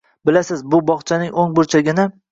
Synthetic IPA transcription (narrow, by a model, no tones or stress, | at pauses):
bɪlasɪzbʊbɒχt͡ʃʰanɪŋoŋbʊɾt͡ʃʰaɡʲɪna